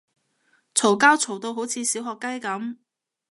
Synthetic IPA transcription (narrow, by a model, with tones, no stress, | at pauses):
t͡sʰo˨˩wkaː˥wt͡sʰo˨˩wt̪o˧wɦo˨˥wt͡sʰiː˨˧˥siː˨˥wɦɔː˨˧kːɐ˥jkɐ˨˧˥m